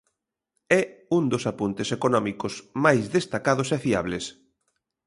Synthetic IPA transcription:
ɛund̪osapunt̪esekonɔmikosmajzðest̪akaðosɛfiaβ̞les

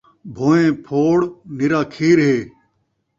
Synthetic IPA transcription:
bʱoːẽːpʰoːɽnɪɾaːkʰiːɾɦeː

